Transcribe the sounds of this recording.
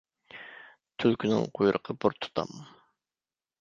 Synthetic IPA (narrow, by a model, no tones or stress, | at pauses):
t̪ʰylkʲʰynɪ̰ŋqʰojɾʔəqʰəbuɾt̪ʰu̥t̪ʰɑ̰m